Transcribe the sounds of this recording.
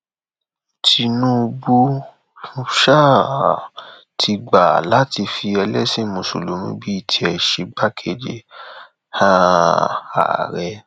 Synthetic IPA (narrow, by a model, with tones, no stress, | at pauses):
tʰi˧nũ˦˧bu˦ | fu˦ʃa˦˨a˨ | tʰi˧ɡ͡ba˨la˦ti˧fi˧ɛ˧lɛ˦sĩ˦mũ˨so̰˨lo˨mĩ˧˦bi˦i˦˨tʰi˧˦ɛ˨ʃe˧˦ɡ͡ba˦kʰe˧˨d͡ʒe˧ | hã˦ | a̰˨ɾɛ˧